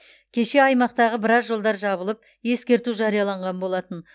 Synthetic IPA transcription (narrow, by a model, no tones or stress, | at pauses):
kʲʰe̞ʃe̞ɑjmɑq̚t̪ɑʁəbɪɾɑzʒo̞lˠd̪ɑɾʒɑβəlˠəp̚ | je̞skʲe̞ɾt̪uʒɑɾijɑlˠɑɴʁɑnbo̞lˠɑt̪ən